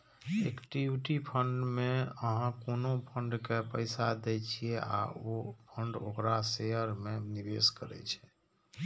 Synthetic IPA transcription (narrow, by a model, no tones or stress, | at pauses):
ekʈiʈipʰəɳɖmeəɦãkonopʰəɳɖkepəjsad̪ɛt͡ʃʰijɛʔa̰opʰəɳɖo̰kɾasejəɾmenibeskəɾɛ̰t͡ʃʰɛ̥